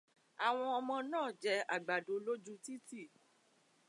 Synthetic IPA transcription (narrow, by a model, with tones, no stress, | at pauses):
a˨w̃ɔ̃˧ɔ˧mɔ̃˧nãː˦˨d͡ʒɛ˧a˨ɡ͡ba˨do˨˦lo˦d͡ʒu˦ti˦ti˦˨